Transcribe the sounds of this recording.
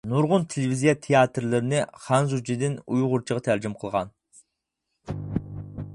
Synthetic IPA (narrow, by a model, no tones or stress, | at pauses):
nuɾʁʊnt̪ʰelevizijɑt̪ʰejɑt̪ɾlɪɾɪnɪχɑnzut͡ʃʰɪd̪ɪnujʁʊɾt͡ʃʰəʁɑt̪ʰæɾd͡ʒɪmqʰəlˠʁɑ̰n